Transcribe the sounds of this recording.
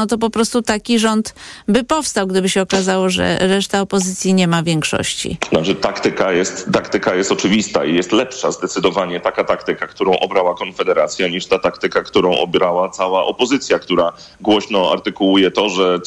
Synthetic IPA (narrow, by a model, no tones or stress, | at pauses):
nɔt̪ɔp̬ɔpɾɔst̪ut̪akʲiʐɔnt̪bɘpɔfst̪awɡd̪ɘbɘɕɛɔkazawɔʐɛ̰ɾɛʂt̪aɔpɔzɘt̪sʲjiɲɛmavʲjɛŋkʂɔ̰ɕt͡ɕḭnat͡ʂɘt̪akt̪ɘkajɛst̪ːakt̪ɘkajɛst̪ɔt͡ʂɘvʲist̪aijɛst̪lɛpʂazd̪ɛt̪sɘd̪ɔvaɲɛt̪akat̪akt̪ɘkakt̪uɾɔ̃w̃ʔɔbɾawakɔnfɛd̪ɛɾat̪sʲjaɲiʂt̪at̪akt̪ɘkakt̪uɾɔ̃w̃ʔɔ̰bʲɾawat̪sawaʔɔpɔzɘt̪sʲjakt̪uɾa | ɡwɔɕnɔa̰ɾt̪ɘkuujɛt̪ɔʐɛ